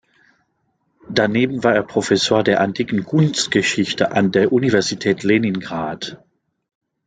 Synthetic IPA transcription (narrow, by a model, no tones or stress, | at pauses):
d̥aneːbm̩vaːɐeːɐpʁ̥ofɛsoːɐdeːɐʔantʰiːkn̩kʰʊnstɡ̥əʃɪçtʰəʔandeːɐʔunivɛɐzitʰɛːtʰleːninɡʁaːt